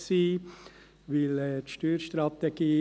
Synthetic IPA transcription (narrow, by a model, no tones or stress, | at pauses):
siː | ʋɪlɛːt̪ʃtyːɾʃt̪ɾɑt̪eɡ̥iː